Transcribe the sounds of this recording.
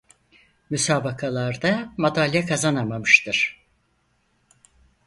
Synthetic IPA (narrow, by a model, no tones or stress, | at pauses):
mysaːbakʰalˠaɾd̪amad̪alʲjɛkʰazanamamɯʃt̪ʰɯɾ̥